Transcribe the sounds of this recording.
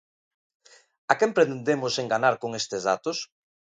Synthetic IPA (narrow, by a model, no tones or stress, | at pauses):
akempɾet̪nd̪emʊseŋɡanaɾkoŋest̪ɪzða̰t̪ʊs